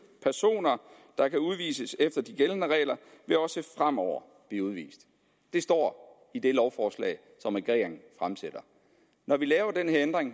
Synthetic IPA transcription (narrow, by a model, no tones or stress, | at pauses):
pʰæɐso̝̰ːnɐ | d̥ɑ̈kʰæuð̞ˠʋḭːsəsefd̥ɐd̥iɡ̥elənəʁɛ̰ːɪlɐʋe̝ɒ̽səfʁam̰ɒʊ̰ɐ | b̥liːuð̞ˠʋḭːsd̥ | d̥e̝sd̥ɒ̰ː | id̥e̝lɒʊfɒːslɛ̰ɪ | sɒ̽mæɡ̥ʁɛ̰ːŋfʁamsed̥ɐ | nɒʋilɛːʊɐd̥enheɐend̥ʁeŋ